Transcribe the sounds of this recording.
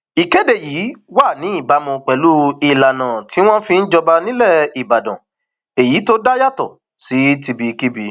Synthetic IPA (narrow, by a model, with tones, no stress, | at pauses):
i˨ke˨˦de˦˨jiː˨˦wa˦˨nĩ˨˦i˦˨ba˨˦mũ˧k͡pɛ˨˦lu˦i˧la˨nã˨ti˨˦w̃ɔ̃˦fi˧n̩˦d͡ʒɔ˧ba˧nĩ˦lɛ˦˨i˨ba˨dã̰˨ | e˨ji˨˦to˦da˦ja˦˨tɔ̰˨ | si˨˦ti˧bi˧ki˦bi˧